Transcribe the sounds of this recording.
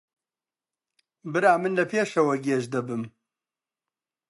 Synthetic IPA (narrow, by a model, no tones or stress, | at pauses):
bɨɾaːmɨnlɐpʰeːʃɐwɐɡeːʒd̪ɐbɨm